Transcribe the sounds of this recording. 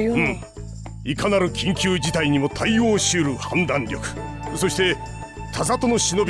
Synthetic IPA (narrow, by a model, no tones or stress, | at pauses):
ikanaɾɯ̟kʲĩŋkʲɨːd͡ʑit̪aiɲ̟imo̞t̪ʰaio̞ːɕiɯɾɯ̟hãnd̪ãɲɾʲo̞kɯ̥ | so̞ɕi̥t̪e̞ | t̪ʰazat̪o̞no̞ɕino̞bʲ